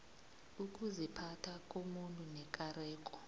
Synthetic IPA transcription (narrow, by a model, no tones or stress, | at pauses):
uk̬ʼuzipʰatʰak̬ʼomuntʼunɛk̬ʼarɛːk̬ʼɔ̥